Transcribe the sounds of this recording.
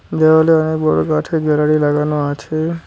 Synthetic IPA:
d̪eʋaleənekbəɽokaʈʰeɡʱɛɾaɽilaɡanoat͡ʃʰe

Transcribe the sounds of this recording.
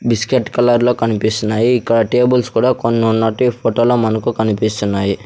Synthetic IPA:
biskeʈːkɐlaːɾlo̞ːkɐnipist̪unːaːjiːkːɐɽɐʈe̞ːbulskuːɽaːkonːunːɐʈipʰoːʈoːloːmɐnɐkukɐnipist̪unːaːji

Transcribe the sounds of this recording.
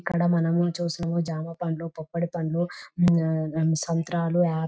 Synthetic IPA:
kːɐɽɐmɐnɐmut͡ʃuːsinɐmud͡ʒaːmɐpɐnloːpopːɐɽipɐnlu | sɐnt̪ɾaːluaː

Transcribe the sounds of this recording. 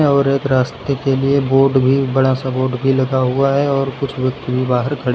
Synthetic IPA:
ɔːɾeːkɾaːst̪ekelieboːɾɖbʱibɐɽasaboːɾɖbʱilɐɡaɦʊaɦɛɔːɾkʊt͡ʃʰʋjɐk̚t̪bʱibaːɦəɾkʰɐɽ

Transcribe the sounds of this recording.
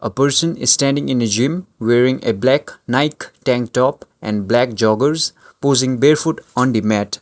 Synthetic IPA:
ʔəpəɾsə̃nɪz̥sʈæ̃nɖɪ̃ŋɪ̃ned͡ʒĩmweɾĩŋeblæknaɪkʈæ̃ŋkʈɔpʔɛ̰̃nblæk̚d͡ʒɔɡəɾz | pozɪ̃ŋbeɾfuʈɔ̃nd̪imɛt

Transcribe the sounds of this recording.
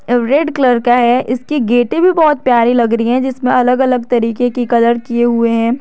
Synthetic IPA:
ɾeːɖkləɾkaɦɛːʔɪskiɡeːʈẽbʱibɔːt̪̚pjaːɾilɐɡɾəiɦɛ̃d͡ʒɪsmẽɐləɡɐləɡ̚t̪ɐɾiːkekikɐd̪əɾkieɦʊeɦɛ̃ː

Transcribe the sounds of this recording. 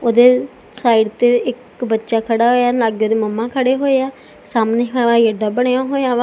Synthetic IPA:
oːd̪eː | saːiɖt̪eːɪk | bətːʃaːkʰəɽaːɦoːjaːlaːɡjoːd̪eːməmːãːkʰəɽeːɦoːeaː | saːmneːɦãːjəɖaːbəɳejaːɦoːjaːʋãː

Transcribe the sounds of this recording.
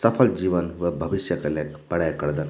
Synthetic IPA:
səfʰəld͡ʑiʋənʋəbʱəʋiɕjəkəlakpɐɽajkəɾd̪ən

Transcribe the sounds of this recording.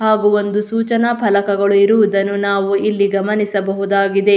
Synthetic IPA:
haːɡuo̞nd̪usuːt͡ʃɐnɐpʰɐlɐkɐɡɐɭuiɾuʋud̪ɐnːunaːʋuilːiɡɐmɐnisɐbɐɦud̪aːɡid̪e̞

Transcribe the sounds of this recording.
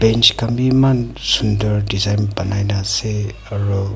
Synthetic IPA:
bent͡ʃkambimansundɐɾdizajnbɐnajnase | aɾu

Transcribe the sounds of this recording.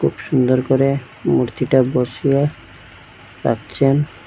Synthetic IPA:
kʰubʃund̪oɾkoɾe | muɾt̪ʰiʈaboɾʃie | ɾa̰kt͡ɕʰen

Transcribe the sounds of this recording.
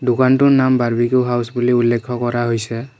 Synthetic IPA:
dukantʊnambaɹbikuɦawsbuliulːekʰːɔkɔɹaɦojsɛ

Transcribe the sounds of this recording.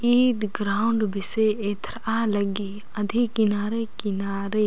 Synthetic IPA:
iːd̪ɡɾaːʊɳɖbɪseeːt̪ʰɾalɐɡi | ɐd̪ʱikɪnaːɾekɪnaːɾe

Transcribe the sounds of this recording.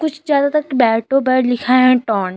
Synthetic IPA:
kʊt͡ʃʰzjaːd̪at̪əkbɛːʈʰoːbɛːlɪkʰaɦɛ̃ʈɔːn

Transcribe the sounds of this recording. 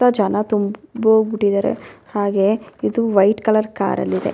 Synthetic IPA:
ɐd͡ʒɐnɐt̪umbɐɡuʈːid̪ɐɾḛhaːɡeid̪uʋɐjʈkɐlɐɾka̰ːɾɐ̰lːid̪e̞̰

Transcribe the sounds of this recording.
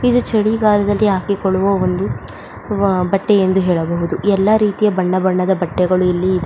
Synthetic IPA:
id̪ut͡ʃɐɭiɡaːlɐd̪ɐlːiɦaːkikoɭuʋɐond̪u | bɐʈːeend̪uɦɛːɭɐbɐɦud̪uɛlːɐɾiːt̪ijɐbɐɳːɐbɐɳːɐd̪ɐbɐʈːɛɡɐɭuilːiːd̪e

